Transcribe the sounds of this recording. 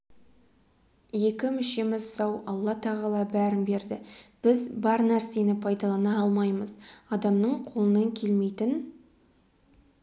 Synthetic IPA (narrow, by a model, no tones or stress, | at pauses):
je̞kʲɪmʏʃe̞mɪzsɑwɑlˠːɑt̪ʰɑʁɑlˠɑbæɾɪmbe̞ɾd̪ɪb̥ɪzbɑɾnæɾse̞nɪpʰɑjd̪ɑlˠɑnɑɑlˠmɑjməzɑd̪ɑmnəɴqʰo̞lˠənɑŋkʲʰe̞lme̞jt̪ɪn